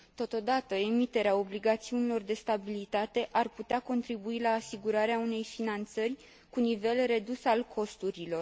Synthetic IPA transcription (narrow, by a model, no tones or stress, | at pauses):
t̪o̞t̪o̞d̪at̪əemit̪e̞ɾeao̞bliɡat̪siunilo̞rd̪e̞st̪abilit̪at̪e̞ʔarput̪eako̞nt̪ɾibuilaːsiɡuɾaɾeaune̞jfinant̪sərʲ | kunive̞lre̞d̪usalkʰo̞st̪uɾilo̞r